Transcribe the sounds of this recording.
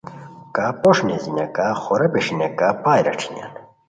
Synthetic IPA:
kapoʂnezina̰kaxoɾɐpeʂinakapaːjɾɐ̰ʈ͡ʂʰi̥na̰n

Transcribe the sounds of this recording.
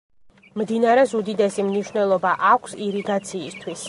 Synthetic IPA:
md̪inaɾɛzud̪id̪ɛsimniʃwnɛlˠɔbaʔakʷʰsiɾiɡat̪sʰiːst̪ʰwis

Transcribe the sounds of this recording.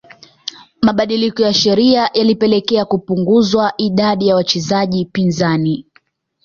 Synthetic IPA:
maɓaɗilikɔjaʃɛɾiajalipɛlɛkɛakupuŋɡuzwaʔiɗaɗijawat͡ʃɛzaʄipinzani

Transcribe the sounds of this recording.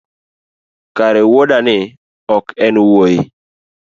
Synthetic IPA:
kaɾɛwoɗanɪ | ɔkɛnwojɪ

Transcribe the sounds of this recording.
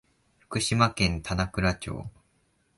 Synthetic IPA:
ɸɯ̥kɯ̟ɕimakẽ̞nt̪ʰanakɯ̟ɾat͡ɕo̰ː

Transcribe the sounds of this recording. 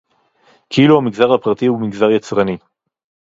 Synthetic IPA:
kʰiluhamiɡzaʁhapʁat̪iumiɡzaʁjat͡sʁani

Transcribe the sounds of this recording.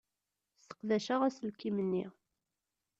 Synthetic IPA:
st̪ə̥qðæʃæʁæslkimənːi

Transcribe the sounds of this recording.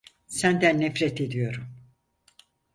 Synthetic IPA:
sænd̪ænːɛfɾɛt̪ed̪ijo̞ɾum

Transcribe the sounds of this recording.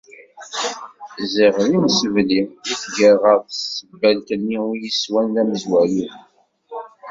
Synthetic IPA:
ziʁlimsəvliiθɡəʁəɾsəbːælkənːijiswænlæməzwæju

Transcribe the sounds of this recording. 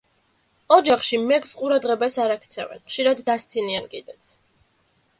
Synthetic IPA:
ɔd͡ʒaχʃimɛksqʼuɾad̪ʁɛbasaɾakʰt̪sʰɛvɛ̰nχʃiɾad̪ːast̪sʰiniankʼid̪ɛt̪sʰ

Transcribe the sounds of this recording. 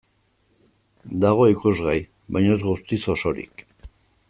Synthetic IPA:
d̪aɣ̞o̞ikuzɣaj | βajɲoezɣust̪iso̞so̞ɾḭk

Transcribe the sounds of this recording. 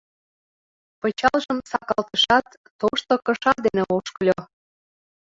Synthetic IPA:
pət͡ɕɑlʒəmsɑkɑlt̪əʃɑt̪ːoʃt̪okə̆ʃɑd̪eneoʃklʲo

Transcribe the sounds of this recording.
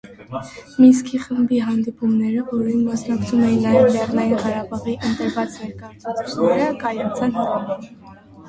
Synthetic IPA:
miskiχəmbiɦɑnd̪ipumnɛɾəvɔɾinmɑsnɑkt͡sʰumɛjinːɑjɛvlɛrnɑjinʁɑɾɑbɑʁiʔənt̪əɾvɑt͡snɛɾkɑjɑt͡sʰɑt͡sʰit͡ʃʰnɛɾəkɑjɑt͡sʰɑnɦɑʁɑn

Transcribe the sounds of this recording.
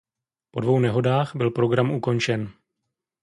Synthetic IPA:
po̞dvo̞wnɛɦo̞daːxbɪlpɾo̞ɡɾamʔuko̞nt͡ʃɛn

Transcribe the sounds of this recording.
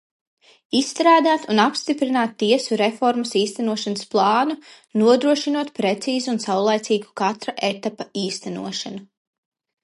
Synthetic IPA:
isːt̪ɾaːd̪aːt̪unapst̪ipɾinaːt̪ːiɛsuɾefɔɾmɐsiːst̪ænuɔʃanəsplˠɑːnu | nuɔd̪ɾuɔʃinuɔt̪̚pɾet̪siːzuunsawlˠajt̪siːɡu̥kat̪ɾaʔet̪apaiːst̪ænṵɔʃanu

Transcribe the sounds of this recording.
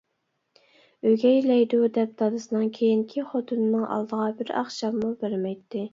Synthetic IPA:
øɡʲɛjlɛjd̪ud̪ɛp̚d̪ɑd̪ɨsɨnɨŋkʲʰejiŋkʲʰiχot̪ʰunɨnɨŋʔɑ̰lˠd̪əʁɑbɪɾɑ̰χʃɑmːubeɾmɛjt̪ʰːɪ

